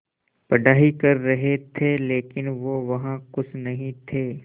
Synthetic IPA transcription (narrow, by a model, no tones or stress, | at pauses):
pɐɖaːɦikɐɾːɐɦet̪ʰeleːkɪnʋoːʋɐɦãkʊt͡ʃʰnɐɦĩt̪ʰeː